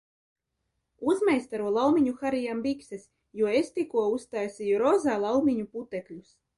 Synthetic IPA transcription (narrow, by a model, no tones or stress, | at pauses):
uzmajst̪aɾuɔlˠawmʲiɲuxaɾijambikses | juɔest̪ikuɔust̪ajsʲijuɾɔzaːlˠawmʲiɲuput̪ɛklʲus